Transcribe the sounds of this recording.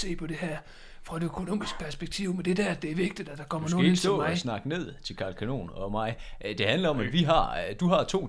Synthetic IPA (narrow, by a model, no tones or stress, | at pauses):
e̝̰ːpʰɒ̽d̥e̝ɦæɐ̰ | fʁɑ̈d̥e̝økʰo̝no̝̰ːmisɡ̥̚pʰæɐsb̥eɡ̥̚t͡sʰḭʊmend̥e̝d̥æɐæd̥e̝æɐʋe̝ɡ̥̚d̥id̥æd̥ɑ̈kʰɒ̽m̰ɐno̝ieɡsɪsnɑ̈ɡ̥əne̝ð̞̰ˠt͡sʰe̝lkʰɑlkʰæno̝̰ːnɒ̽mɑ̈ɪd̥e̝hænlɐɒ̽mæd̥ʋiɦɑ̈d̥uɦɑ̈t͡sʰo̝̰ː